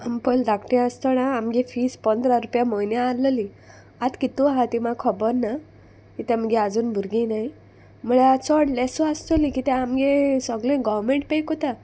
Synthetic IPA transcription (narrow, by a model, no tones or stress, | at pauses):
ampəld̪akʈĩast̪ɔnaːmɡefispənd̪ʱɾaɾupjamɔinjaːləli | at̪kit̪ũaɦat̪imakʰɔbəɾna | kit̪ɛ̃məɡead͡zuːnbʱuɾɡĩnaɦi | m̤əɭeat͡sɔɽlɛsɔast̪əlikit̪ɛ̃amɡesɔɡlẽɡɔʋmẽɳʈ̚pejkot̪a